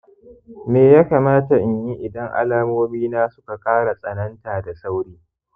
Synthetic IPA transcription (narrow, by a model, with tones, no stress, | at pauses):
meː˨ja˦kaː˨maː˦ta˨ʔɪ˨ɲji˦ʔɪ˨dɐ˦ŋʔa̰˦laː˦moː˦miː˦naː˦sʊ̥˦ka˨kʼaː˦ɽa˨sʼɐ˨nɐ˦ntaː˨da˨sa˦wɽiː˦